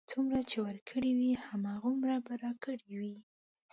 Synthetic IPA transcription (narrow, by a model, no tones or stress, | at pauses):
t͡sumɾat͡ʃewəɾkʰəɽiwihamɑɣumɾabaɾɑkəɽiwi